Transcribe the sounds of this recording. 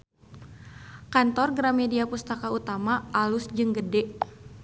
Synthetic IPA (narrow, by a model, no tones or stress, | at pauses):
kant̪ɔrɡɾamediapust̪akaut̪amaalusd͡ʒɨŋɡədɛ